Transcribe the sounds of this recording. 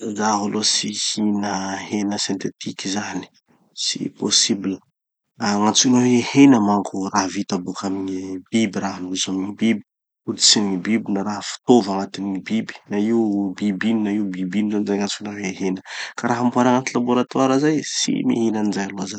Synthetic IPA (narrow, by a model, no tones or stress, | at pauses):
zaɦalosihinəɦenəsint̪et̪ikizani̥ | sḭposibilə | aŋat͡sunaweehenəmaŋkʰuraɦvit̪abukamiɲib̥ibiɾaɦanuzamiŋibibi̥ | uɾit͡simɲibibinaɾaɦəfi̥t̪ovaŋat̪imiɲibibi̥naiubibinnaiubibinizanizajŋant͡sunaweɦenəkaɾaɦambuaɾaŋat̪ilaboɾat̪waɾazajsḭmḭɦinanizajaloazan